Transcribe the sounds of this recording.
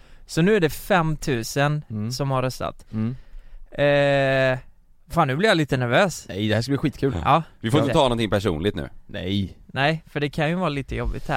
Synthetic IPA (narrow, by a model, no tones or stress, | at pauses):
sɔnʉ̟ːæɖɛfɛmːt̪ʰʉ̟ːsənsɔmhaɾœst̪a̰t̪ | faːnʉːblɪɾjaliːt̪ənæɾvøːsɛjd̪ɛhæsʂkabliːɧiːt̪kʰʉ̟ːlʔɑ̰ːvɪfoɾɪəɑːɔnt̪ʰɪŋpæʂṵːnlɪɡ̚t̪nʉ̟̰ːnɛ̰jnɛɪfœɖɛkʰanjɵvɑːliːt̪əjɔbːɪ̰t̪hæ̰ɾ